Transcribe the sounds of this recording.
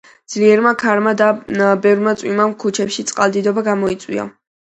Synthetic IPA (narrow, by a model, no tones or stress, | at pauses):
d̪z̥liɛɾmakʰaɾmad̪abɛvɾmat̪sʼwimamkʰut͡ʃʰɛpʃit̪sʼqʼalˠd̪id̪ɔbaɡamɔit̪sʼwḭa̰